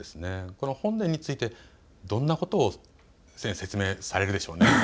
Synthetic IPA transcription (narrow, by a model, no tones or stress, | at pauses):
esɨne̞ko̞no̞hõ̞nd̪ẽɲ̟ːit͡sɨit̪e̞ | d̪õ̞nːako̞t̪o̞ː | sẽɰ̃se̞t͡sɨme̞ːsaɾe̞ɾɯ̟d̪e̞ɕo̞ːne